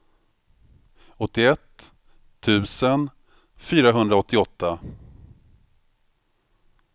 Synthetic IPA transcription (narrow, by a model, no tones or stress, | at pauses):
ɔt̪ːɪɛt̪ʰː | ʉ̟ːsən | fyːɾaɦɵnd̪ɾaɔt̪ʰːɪɔt̪ːa